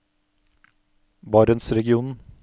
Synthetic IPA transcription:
bɑɾənsɾɛɡɪuːnn̩

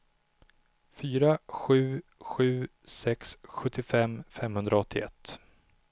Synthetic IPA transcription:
fyːɾaɧʉ̟ːɧʉ̟ːsɛksɧɵt̪ʰːɪfɛmfɛmhɵnd̪ɾaɔt̪ʰːɪɛ̰t̪ː

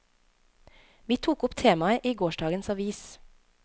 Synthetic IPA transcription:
ʋiːt̪ʰuːkʊpt̪ʰeːmɑəʔiːɡoːʃɖɑːɡənsɑʋiːs

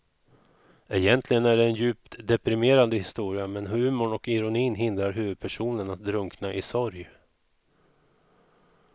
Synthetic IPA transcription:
ɛjɛnt̪ʰlɪɡənæɖɛːnjʉ̟ːpt̪d̪ɛpɾɪmeːɾand̪əhɪst̪uːɾɪamɛnɦʉ̟ːmʊɳɔkɪɾʊniːnɦɪnd̪ɾaɾɦʉ̟ːvɵd̪̚pʰæʂuːnənat̪̚d̪ɾɵŋknaʔɪsɔɾj

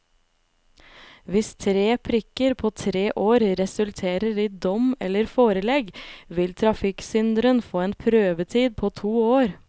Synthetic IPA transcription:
ʋɪst̪ʰɾeːpʰɾɪkəɾpʰoːt̪ʰɾeːʔoːɾɾɛsʉlt̪ʰeːɾəɾiːd̪ɔmɛ̰lːəɾfoːɾəlɛɡʋɪlt̪ʰɾɑfɪksʏnd̪ɾənfoːeːnpʰɾøːʋət̪ʰiːd̪̚pʰoːt̪ʰuːoːɾ

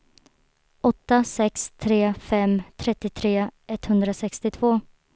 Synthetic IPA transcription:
ɔt̪ːasɛkst̪ʰɾeːfɛmt̪ʰɾɛt̪ːɪt̪ʰɾeːɛt̪ːhɵnd̪ɾasɛkst̪ɪt̪ʰv̥oː

